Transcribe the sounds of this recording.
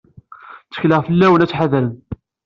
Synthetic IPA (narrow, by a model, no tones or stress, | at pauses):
t͡sːə̥çləʁfəlːæwənæt͡sːħaðɾən